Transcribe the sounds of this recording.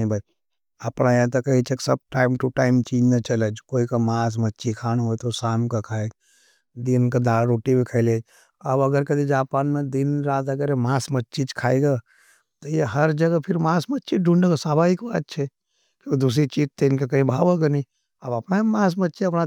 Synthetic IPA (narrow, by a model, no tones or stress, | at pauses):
ĩbə | əpnajãt̪ɔkəɦit͡ʃʰeksəb̚ʈaːɪmʈuʈaːɪmt͡ʃiːd͡ʒnət͡ʃələd͡ʒkoːikamaːs̬mətːt͡ʃikʰaːnɦojt̪osaːmkakʰaːjd͡ʒ | d̪inked̪aːɾoːʈibʱikʰəɪled͡ʒ | əbəɡəɾked̪id͡ʒaːpaːnmẽd̪inɾaːt̪ɐɡəɾemaːsmətːt͡ʃid͡ʒkʰaːiɡa | t̪ɔjeɦəɾd͡ʒəɡəpʰɪɾmaːsmətːt͡ʃiɖʱũɳɖeɡasaːbaikbat̪̚t͡ʃʰɛ | kiod̪us̬ɾit͡ʃiːd͡ʒt̪eɪnkekɐɦĩbʱaːʋəɡəni | əbɐpnamaːsmətːt͡ʃiɐpna